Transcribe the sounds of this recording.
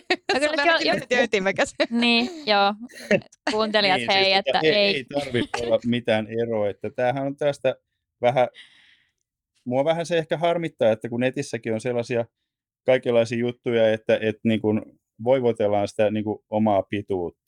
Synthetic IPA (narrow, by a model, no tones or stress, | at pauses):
okyt̪øyt̪ːimækæsniːjoː | kuːnt̪eliɑeetːeieit̪ɑrʋiolːɑmit̪æːneroːet̪ːæt̪æːhænont̪æːst̪æ | ʋæhæ | muɑʋæhænseehkæhɑrmit̪ːɑːet̪ːækunet̪isːækionselːɑsiɑ | kɑikelːɑisiːjut̪ːujɑet̪ːæʔet̪niːŋkun | ʋoiʋot̪elːɑːnsi̥t̪æniːŋkuomɑːpit̪uːt̪ːɑ̥